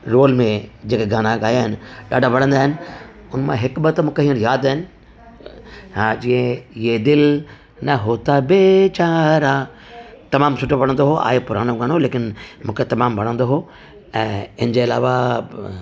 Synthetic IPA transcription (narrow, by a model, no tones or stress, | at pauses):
ɾoːlmẽd͡ʑeːkeɡaːnaːkaːjaːɦɪnɪ̆ɗa̰ːɖʱaʋɐɽ̤̃ə̃nd̪aːɦɪnɪ̆ʊnmãɦɪkbɐt̪mũːkʰeɦiːəɽ̃jaːd̪aɦɪnɪ̆ | ɦãd͡ʑĩːə̃ed̪ɪl | nɐɦoːt̪abet͡ɕaːɾa | t̪ɐmaːmsʊʈʰoʋɐɽə̃nd̪oɦoʔa̰ːɦepʊɾaːɽ̃oɡaːɽ̃oleːkɪnmũːkʰet̪ɐmaːmbʱɐɽ̤̃ə̃nd̪oɦo | ɛ̃ːɪnəd͡ʑeɐla̰ːʋa